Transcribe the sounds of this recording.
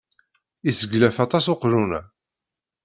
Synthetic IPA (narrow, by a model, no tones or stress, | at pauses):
isəɡlæfɑt̪ˤɑsoqɾunæ